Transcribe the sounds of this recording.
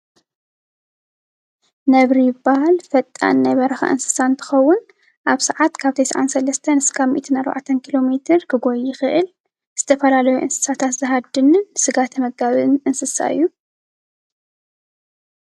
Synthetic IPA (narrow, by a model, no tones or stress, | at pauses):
nɐβɾijɨbahalfɐt̪ʼːa̰nːajβɐɾɐxa̰ʔɨ̰nsɨ̥sant̪ʰɨ̥xɐwːʊn | ʔaβsɐʕat̪kʰaβt̪ʰɐjsʕa̰nsɐlɐst̪ʰɐnɨskʰaβmḭʔt̪ʰɨnaɾba̰ʕt̪ʰɐnkʰilo̞met̪ʰɨɾkʰɨɡojɪxɨʔɨl | z̥ɨt̪ʰɐfɐlalɐjuʔɨ̰nsɨ̥sat̪ʰat̪zɨɦad̪ɨnɨnsɨɡat̪ʰmɐɡ̚ɡaβɨnʔɨnsɨsa̰ɨ̰jːu